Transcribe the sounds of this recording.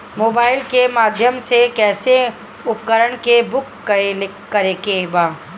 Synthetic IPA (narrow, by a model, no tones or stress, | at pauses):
moːbaːɪlkemaːd̪ʱjəmsekɛːse | ʊpkəɾəɽ̃kebʊkː | kəɾekebaː